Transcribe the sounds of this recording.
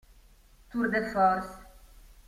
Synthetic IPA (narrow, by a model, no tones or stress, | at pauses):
t̪uɾd̪efɔɾs